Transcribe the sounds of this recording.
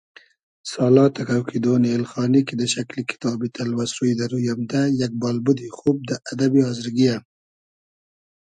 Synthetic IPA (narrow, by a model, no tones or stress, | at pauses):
sɑlɑt̪akawkʰid̪oneːlxɑːnikid̪əʃaklikɪ̥t̪ɑbit̪ʰalwasɾujd̪aɾujamd̪ajak̚bɑlbʊd̪ixub̚d̪əʔad̪abihɑzɪɾɡija